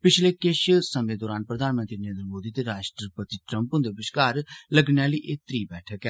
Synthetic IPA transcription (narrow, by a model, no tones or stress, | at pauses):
pɪt͡ʃʰleːkɪʃsəmẽːd̪ɔːɾaːnpɾəd̪aːnmənt̪ɾiːnəɾeːnɾəmoːd̪iːt̪eːɾaːʃʈɾəpət̪iːʈɾəmpʊ̃nd̪eːbɪʃkaːɾləɡneaːliːʔeːt̪ɾiːbɛːʈʰəkɛː